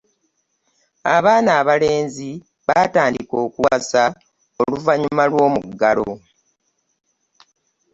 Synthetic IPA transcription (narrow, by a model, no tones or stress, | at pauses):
aβaːnaːβale̞ːnzi | βaːtaːndiko̞ːkuasa | oluvaɲumalwo̞ːmuɡːalo̰